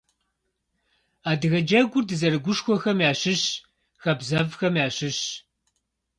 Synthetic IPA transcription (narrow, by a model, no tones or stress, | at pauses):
aːdɨɣɐd͡ʒɐɡʷʊrdɨzɐɾɨɡʷʊʃxʷɔxɐmjaːɕɨɕ | xɐbzɐvxɐmjaːɕɨɕ